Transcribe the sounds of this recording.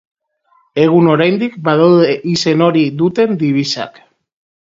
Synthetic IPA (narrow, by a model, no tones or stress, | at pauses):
e̞ɣ̞uno̞ɾajnd̪ikbaðawðeʔise̞no̞ɾiðut̪e̞nd̪iβ̞isa̰k